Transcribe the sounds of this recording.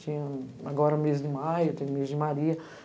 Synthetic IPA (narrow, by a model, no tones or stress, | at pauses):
t͡ʃĩɲɐ̃aɡɔɾɐ̃mezd͡ʒɪmajʊt̪ẽjʊmezd͡ʒɪmaɾiɐ